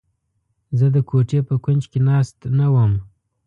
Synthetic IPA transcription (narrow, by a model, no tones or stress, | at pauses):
zəd̪əkʰoʈepəkʊnd͡ʒkenɑst̪nawəm